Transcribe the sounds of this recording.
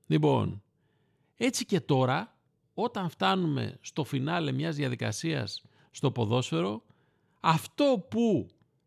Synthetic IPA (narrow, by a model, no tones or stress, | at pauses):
lipo̞̰n | e̞t͡sice̞t̪o̞ɾɐ | o̞t̪ɐɱft̪ɐnume̞̰st̪o̞finɐle̞mɲɐzðʝɐðikɐ̰siɐ̰sː | t̪o̞po̞ðo̞sfe̞ɾo̞ | ɐft̪o̞pu